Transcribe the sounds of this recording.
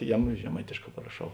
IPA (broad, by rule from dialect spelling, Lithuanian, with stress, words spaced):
ˈjæːˌmʊ ʒʲɛˈmɐɪtʲeːʃˌkɑː pɐrɐˈʃɐʊ